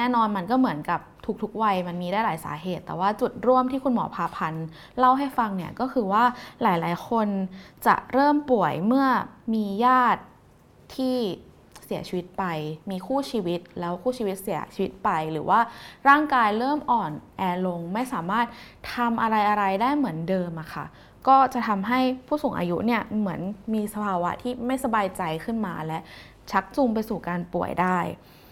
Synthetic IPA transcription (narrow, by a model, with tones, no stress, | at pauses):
nɛː˥˩nɔː˧nma˧nkɔː˥˩mɯ˩˦ənka˨˩p̚t̪ʰu˨˩k̚t̪ʰu˦˥k̚wa˧jma˧nmiː˧daː˥˩laː˩˦jsa̰ː˩˦ɦeː˨˩t̪ːɛː˨˩waː˥˩t͡ɕu˨˩t̪̚ɾu˥˩əmt̪ʰiː˥˩kʰu˧nmɔ̰˩˦pʰaː˧pʰa˧n | la˥˩wɦa˥˩jfa˧ŋni˥˩ɐkɔː˥˩kʰɯː˧waː˥˩laː˩˦jlaː˨˩˦jkʰo˧nt͡ɕa̰˨˩ʔɾɤː˥˩mpu˨˩əjmɯ˥˩ɐmiː˧jaː˥˩t̪̚ʰː | iː˥˩ | si˨˩˦t͡ɕʰiː˧wi˦˥t̪̚pa˧jmiː˧kʰuː˥˩t͡ɕʰiː˧wi˦˥t̪̚lɛː˦˥wkʰuː˥˩t͡ɕʰiː˧wi˦t̪̚si˩˦ɐt͡ɕʰiː˧wi˦˥t̪̚pa˧jɾɯː˩˦waː˥˩ɾaː˥˩ŋkaː˧jɾɤː˥˩mʔɔː˨˩nʔɛː˧lo˧ŋma˥˩jsaː˨˩˦maː˥˩t̪̚ʰ | a˧mʔa˧ɾa˧jʔa˧ɾa˧jdaː˥˩jmɯ˩˦əndɤː˧mʔa˨˩kʰa̰˥˩ | kɔː˥˩t͡ɕa˨˩t̪ʰa˧mɦa˥˩jpʰuː˥˩suː˨˩˦ŋʔa̰ː˧ju˦˥ʔni˥˩ɐmɯ˩˦ənmiː˧sa˧pʰaː˧wa̰˦˥t̪ʰiː˥˩ma˥˩jsa˧baː˧jt͡ɕa˧jkʰɯ˥˩nma̰ː˧lɛ˦˥ʔ | t͡ɕʰa˦˥k̚t͡ɕu˧mp̬a˧jsuː˨˩kaː˧npu˨˩əjdaː˥˩j